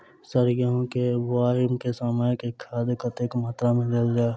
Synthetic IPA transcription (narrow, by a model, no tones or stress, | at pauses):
səɾjəɦõkebaːɪmkesaːmajkekʰaːd̪kət̪ekmaːt̪ɾamẽd̪eld͡ʒaːe